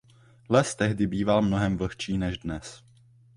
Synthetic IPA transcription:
lɛst̪ɛɦdɪbiːvalmno̞ɦɛmvl̩xt͡ʃiːnɛʒdnɛs

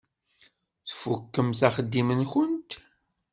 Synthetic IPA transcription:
θfukːəmθæχəd̪ːimənçʊnt̪

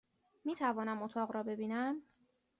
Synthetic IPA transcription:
miːt̪ʰævɒːnæmot̪ʰɒːʁɾɒːbe̞biːnæm

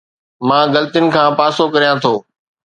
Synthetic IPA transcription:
mãːɡɐlt̪jʊnɪ̆kʰãːpaːsokɐɾijãt̪ʰoː

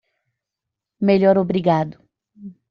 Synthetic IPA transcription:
meʎɔɾobɾiɡad̪ʊ

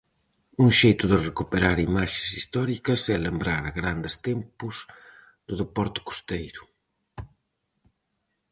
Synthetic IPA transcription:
uŋʃejt̪uðerekupeɾaɾimaʃesist̪ɔɾikɐsɛlembɾaɾaɣɾand̪est̪ɛmpuz | ð̥ʊðepɔɾt̪ʊ̥ku̥st̪ejɾʊ

